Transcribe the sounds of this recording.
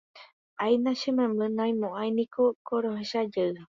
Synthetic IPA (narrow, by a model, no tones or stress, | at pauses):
ajnãʃemẽmbɨ̃nãjmõʔajnĩkʰokoɾoɦeʃad͡ʒəɨa